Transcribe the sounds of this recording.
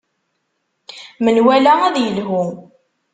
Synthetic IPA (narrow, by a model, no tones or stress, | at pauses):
mənwælææðjəlɦʊ